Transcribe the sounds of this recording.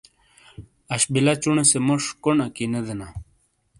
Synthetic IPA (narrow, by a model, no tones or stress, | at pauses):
ɐɕbilat͡ɕuɳesemoʂkonakined̪ena